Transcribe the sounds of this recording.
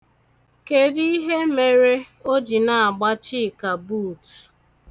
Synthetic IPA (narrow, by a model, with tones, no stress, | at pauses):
ke˨di˦i˦ɦe˦me˨ɾe˦ | o˦d͡ʒi˨na˨a˨ɡ͡ba˦t͡ʃi˦˨ka˨buː˦˨t